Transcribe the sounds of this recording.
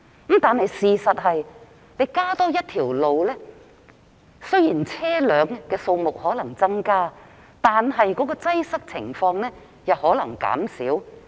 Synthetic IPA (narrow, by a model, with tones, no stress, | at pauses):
m̩˨˥mt̪aː˨nhɐ˨jsiː˨sɐ˨t̚ɦɐ˨j | ne˨˧jkaː˥t̪ɔː˥jɐ˥t̚t̪ʰiː˨˩wlo˨wlɛː˥ | sɵ˥ɥjiː˨˩nt͡sʰɛː˥lœː˨˧ŋkɛː˧so˧wmʊ˨k̚hɔː˨˥lɐ˨˩ŋt͡sɐ˥ŋkaː˥ | t̪aː˨nɦɐ˨jkɔː˨˥k̬ɔː˧t͡sɐ˥jsɐ˥k̚t͡sʰɪ̰˨˩ŋfɔː˧ŋɛː˥ | jɐ˨whɔː˨˥lɐ˨˩ŋka̰ː˨˥msḭː˨˥w